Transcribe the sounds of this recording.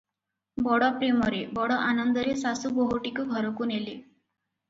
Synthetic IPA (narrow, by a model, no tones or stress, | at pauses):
bɔɽɔpɾemɔɾebɔɽɔʔanənd̪əɾesasubɔɦoʈikuɡʱɔɾɔkuːnele